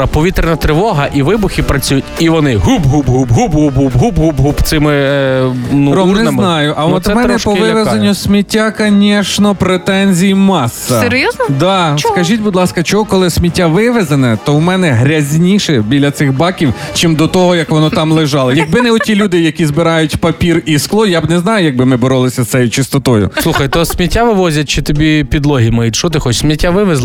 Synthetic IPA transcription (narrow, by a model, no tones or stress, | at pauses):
ɐpɔʋʲit̪ɾenɐt̪ɾɪʋɔɦɐʔiʋɪbʊxʲipɾɐt͡sʲujʊtʲiʋɔnɪɦubɦubɦubɦubɦubɦubɦubɦubɦubt̪sɪmɪ | nuɾɔnɛnznɑjʊʔɐwɔt̪mɛnɛpɔʋɪʋezɐnʲːʊsʲmʲitʲːakɐnʲɛʃnɔpɾet̪ɛnʲzʲijimɑsːɐseɾjɔznɐd̪ɑskɐʒʲitʲbʊd̪lˠɑskɐt͡ʃɔɦukɔlˠɪsʲmʲitʲːaʋɪʋezɐnɛt̪ɔwmɛnɛɦɾʲɐzʲnʲiʃɛbʲilʲːɐt̪sɪxbɑkʲiwt͡ʃɪmd̪ɔt̪ɔɦɔjɐkʋɔnɔt̪ɑmlˠɪʒɑlˠɪjɐɡ̚bɪnɛʊtʲilʲud̪ɪjɐkʲizbɪɾɑjʊtʲpɐpʲirisklˠɔjabnɛznɑjʊjɐɡ̚bɪmɪbɔɾɔlˠɪsʲɐsɛjʊt͡ʃɪst̪ɔt̪ɔjʊ̰slˠuxɐjt̪ɔsʲmʲitʲːaʋɪʋɔzʲɐt̚ʲt͡ʃɪt̪ɔbʲipʲid̪lˠɔɦʲimɐjitʲʃɔt̪ɪxɔt͡ʃsʲmʲitʲːaʋɪʋezlˠ